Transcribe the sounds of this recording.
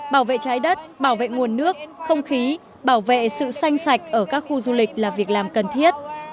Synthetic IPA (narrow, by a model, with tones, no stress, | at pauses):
ɓaː˧˩wvḛ˧˨t͡ɕaː˨˦jɗə˦˥t̚ɓaː˧˩wvḛ˧˨ŋu˨˩ənːɨ˦˥ək̚xə˧wŋ͡mxi˨˦ | ɓaː˧˩wvḛ˧˨sɨ̰˧˨sa˧jŋ̟sa˨˩jk̟̚ʔəː˧˩kaː˦˥k̚xu˧zu˧lï˨˩k̟̚laː˨˩vi˨˩ək̚laː˨˩mkə˨˩nt̪ʰi˦˥ət̚